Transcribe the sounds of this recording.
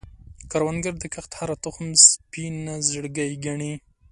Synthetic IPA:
kaɾwanɡəɾd̪əkaxt̪haɾat̪ʊxnspinazəɽɡajɡaɳi

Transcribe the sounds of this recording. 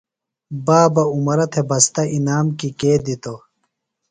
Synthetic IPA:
baːbɐumɐɾɐt̪ʰebɐst̪ɐʔinaːmkikeːd̪it̪o

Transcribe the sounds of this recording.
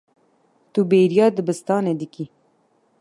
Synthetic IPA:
t̪ubeːɾijɑːd̪ɨbɨst̪ɑːneːd̪ɨki

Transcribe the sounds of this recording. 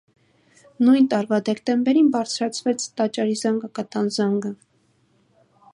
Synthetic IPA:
nujnt̪ɑɾvɑd̪ɛkt̪ɛmbɛɾinbɑɾt͡sʰɾɑt͡sʰvɛt͡sʰt̪ɑt͡ʃɑɾizɑŋɡɑkɑt̪ɑnzɑŋɡə

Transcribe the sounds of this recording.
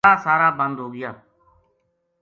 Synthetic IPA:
aːsaːɾaːbə̃nd̪ɦoːɡɪjaː

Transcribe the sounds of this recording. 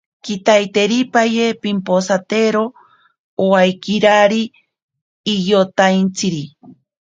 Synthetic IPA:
kit̪ajt̪eɾipajepimposat̪eɾo | oajkiɾaɾiː | jot̪ajnt͡sʰiɾi

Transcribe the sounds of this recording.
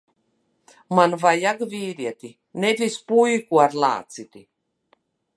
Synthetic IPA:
manvajaɡvʲiːɾiɛt̪ʲi | ned̪ʲispujkuaɾlˠa̰ːt̪sit̪ʲi

